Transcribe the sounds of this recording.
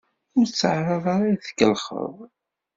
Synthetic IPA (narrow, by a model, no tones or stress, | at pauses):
ʊɾt͡sːəʕɾˤɑðˤɑɾˤaθə̥kːəlχə̰ðˤ